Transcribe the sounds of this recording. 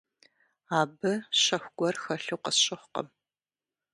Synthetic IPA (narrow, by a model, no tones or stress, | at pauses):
aːbɨɕɐxʷɡ̥ʷɔrxɐɬuqəsɕʼɪχʷqɐ̰m